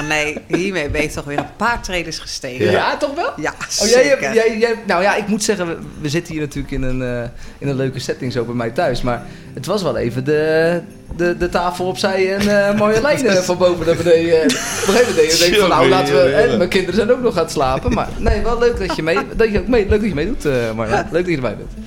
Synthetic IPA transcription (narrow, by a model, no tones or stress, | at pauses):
nejɦɦiːmejbɛjɪktɔxʋɪːəpaːtrejdəsχə̥steːjatɔxʋɛlˠjajjɛjjɛnawjaɪkmutsɛɣənəʋəzɪtənhiːrnatyːləkɪnənɪnənløɥkəsɛtɪŋsowbɛjmɛjtœɥsmar | ətʋɔsʋɛlˠḛːvəndə | dədətaːfəlˠɔpsɛjənmoːjəəlɛjnədəfɔnbowvədɔtʋədejəpoxejvmɛntdɛjejəfɔnnːawlaːtəʋəɦɛmɛjkɪndərəzɛjnowknɔχaːnslaːpənma̰ːɹnejʋɛlˠløɥkdɔjəmejdɔəowk̚meløɥk̚dɑcjəmejdutəmɔɹna̰løɥk̚dɔtcədəɹmɛ̰jb̰nt